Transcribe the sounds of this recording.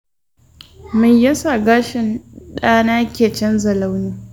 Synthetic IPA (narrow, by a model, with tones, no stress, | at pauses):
mɪ˦ɲjɐ˦sa˨ɡaː˦ʃɪ˨nɗaː˦naː˦kʲeː˨t͡ʃɐ˦nzɐ˨la˦wniː˦